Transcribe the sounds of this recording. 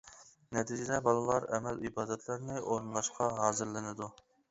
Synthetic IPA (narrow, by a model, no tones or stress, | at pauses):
nɛt̪ʰid͡ʒɪd̪ɛbɑlˠɨlˠɑɾɛmɛlibɑːd̪ɛt̪ʰlˠɑɾnɪoɾɨnlˠɑʃqʰɑɦɑːzɨɾlɪnɪd̪u